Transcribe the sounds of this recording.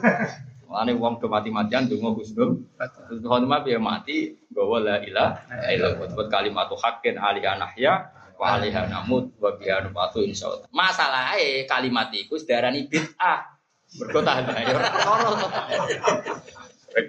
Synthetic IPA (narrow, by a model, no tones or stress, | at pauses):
laniwɔŋdəmat̪imat̪iand̪oŋɔkusnʊmkusnuhanimapiəma̰t̪iŋɡɔwɔlailailoɡɔt̪bɔt̪̚kalimat̪uhakɪna̰liɦana̰hja | wa̰liɦana̰mʊt̪̚wabiɦanupat̪uɪnsa̰a̰t̪amasalaekalimat̪iːkusəd̥̪aɾanib̥ɪt̪̚ah | bərɡot̪adiɦajɔɔɾɔsɔa